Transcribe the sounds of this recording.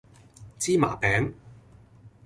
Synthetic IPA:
t͡siː˥ma̰ː˨˩pɛː˨˥ŋ

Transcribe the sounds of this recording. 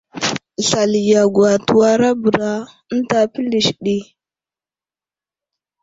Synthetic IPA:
ɬa˨li˨ja˨ɡwa˨tu˨wa˦ɾa˦bə˨ɾa˦ə˦n˦ta˨pi˦li˨ʃɗi˦

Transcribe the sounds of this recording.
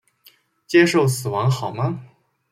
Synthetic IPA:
t͡ɕjɛ˥ʂo˥˩ʊsɹ̩˨˩wɑ˧˥ŋxɑ˨˩ʊmə˦

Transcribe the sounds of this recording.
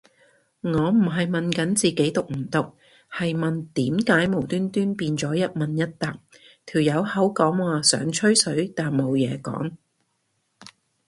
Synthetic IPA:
ŋɔː˨˧m̩˨˩ɦɐ˨jmɐ˨nkɐ˨˥nt͡siː˨ke˨˥jt̪ʊ˨k̚m̩˨˩t̪ʊ˨k̚ | hɐ˨jmɐ˨nt̪iː˨˥mkaː˨˥jmo˨˩wt̪yː˥nt̪yː˥npiː˧nt͡sɔː˨˥jɐ˥t̚mɐ˨njɐ˥t̚t̪a˨k̚t̪ʰiː˨˩wjɐ˨˧whɐ˨˥wkɔː˨˥ŋwaː˨sœ̰ː˨˥ŋt͡ʃʰɵ˥ɥsɵ˨˥ɥt̪aː˨nmo˨˧wjɛː˨˧kɔ̰ː˨˥ŋ

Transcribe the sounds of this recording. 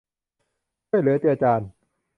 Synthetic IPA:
jlɯ˨˦t̪i˧˨a˧t͡ɕaː˧n

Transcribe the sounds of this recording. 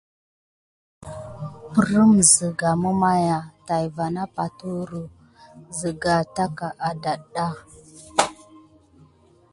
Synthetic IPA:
pə˨ɾə˦mzə˨ɡa˨mu˦ma˦ja˨ta˨jva˨na˦pa˨tu˦ɾu˨ | zə˨ɡa˨ta˦ka˨ʔa˨da˨ɗa˦

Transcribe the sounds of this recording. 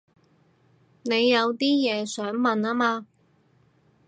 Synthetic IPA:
ne˨˧jːɐ˨˧wt̪iː˥jɛː˨˧sœː˨˥ŋmɐ˨naː˥maː˧

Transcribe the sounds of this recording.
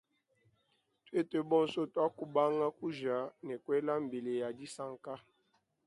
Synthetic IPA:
twe˦te˨bɔ˦n̩˨so˦twa˦ku˦ba˦ŋa˦ku˦ʒa˨˦nɛ˨kwɛ˦la˦m̩˨be˨le˨ja˨di˦sa˦ŋ˨ka˦

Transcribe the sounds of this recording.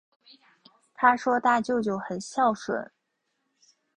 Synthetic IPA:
t̪ʰa˥ʂwɔ˥t̪a˥˧t͡ɕjo˥˧ʊt͡ɕjo˥˩ʊxə˨˩nɕjɑ˥˩ʊʂwə̰˨˩˦

